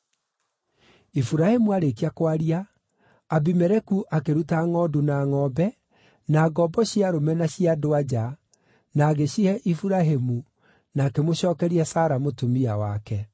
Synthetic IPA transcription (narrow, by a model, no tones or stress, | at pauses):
ifuɾahemuaɾekiakwaɾiaː | bimɛɾɛkuʔakeɾutaŋɔdunaːŋɔːbɛ | naːɡɔbɔɕiaɾomɛnaɕiadoad͡ʑa | naːɣeɕiɛʔifuɾaɦemu | naːkemoɕɔːkɛɾiɛsaːɾamotomiawakɛ